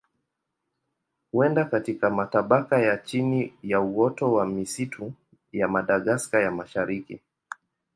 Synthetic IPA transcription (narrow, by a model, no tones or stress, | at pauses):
huɛndakatikamataɓakajat͡ʃinijauɔtɔwamisitʰu | jamaɗaɠaskajamaʃaɾikḭ